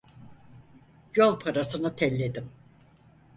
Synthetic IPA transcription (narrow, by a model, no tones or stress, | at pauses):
jolˠpʰaɾasɯnɯt̪ʰɛlʲːed̪im